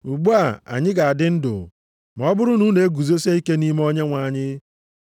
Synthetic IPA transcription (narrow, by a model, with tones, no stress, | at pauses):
u˨ɡ͡bu˦a˨a̰˨ɲɪ˦ɡa˨a˨dɪ˦n̩˦dʊ̰˨ | ma˨ɔ˦bʊ˦ɾʊ˦nu˦ne˨˦e˦ɡu˨zo˦se˦i˦ke˦ni˦m˦o˦ɲe˦ŋʷa˨ɲɪ˦